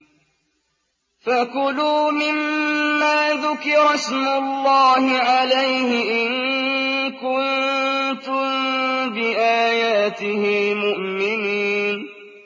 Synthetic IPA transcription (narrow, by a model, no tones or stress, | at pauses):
fakʊluːmɪmːaːðʊkɪɾˤɑsmʊlːɑːhɪʕalajhɪʔɪn | kʊnt̪ʊmbɪʔaːjaːt̪ɪhɪmʊʔmɪniːn